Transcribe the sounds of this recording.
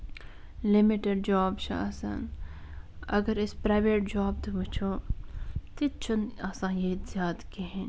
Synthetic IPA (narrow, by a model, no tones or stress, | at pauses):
lɪmiʈeɖ̚d͡ʒɔːbʃa̰ːsɐ̰n | ɐ̰ɡəɾɪspɾaːʋeːʈ̚d͡ʒaːb̚t̪obut͡ʃʰoː | t̪it͡ʃʰʊnaːsãːjet̪zjaːd̪keɦẽn